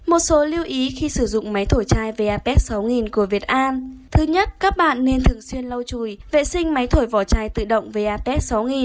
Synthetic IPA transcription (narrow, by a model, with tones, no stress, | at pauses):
mo˨˩t̚so˨˦li˧əwʔi˨˦xi˧sɨ˧˩zʊ̰˧˨ŋ͡mma˨˦jt̪ʰo˧˩jt͡ɕaː˧jve˨˩ʔaː˧pɛ˦˥t̚sa˨˦wŋi˨˩nku˧˩əvi˨˩ət̚ʔaː˧nt̪ʰɨ˨˦ɲə˦˥t̚kaː˦˥k̚ɓa̰ː˧˨nːe˧nt̪ʰɨ˨˩əŋswi˧ənlə˧wt͡ɕu˧˩jvḛ˧˨sï˧ŋ̟ma˨˦jt̪ʰo˧˩jvɔ˧˩t͡ɕaː˧jt̪ɨ̰˧˨ɗə̰˧˨wŋ͡mve˨˩ʔaː˧pɛ˦˥t̚sa˨˦wŋi˨˩n